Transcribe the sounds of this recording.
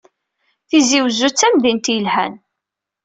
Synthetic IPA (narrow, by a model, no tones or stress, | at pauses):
θiziwzut͡sːæmðint̪jəlhæ̰n